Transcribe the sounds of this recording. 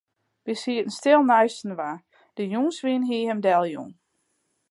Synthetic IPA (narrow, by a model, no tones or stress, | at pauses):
ʋisiətn̩stɪlˠnœɥsn̩ʋa | d̥əjuːŋsʋinɦiəhəmdɛlˠjṵŋ